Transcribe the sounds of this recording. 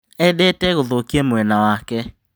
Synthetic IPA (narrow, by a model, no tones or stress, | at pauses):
ɛdetɛɣoðokiemwɛnawakɛ